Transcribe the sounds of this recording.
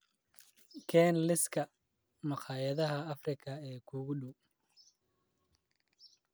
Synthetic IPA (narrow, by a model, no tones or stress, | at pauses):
kʰɛːnlɪskʰɐ | mɑqɑːjɐðɐɦɐːfrɪkʰɐɛːkʰuːɣʊɗuw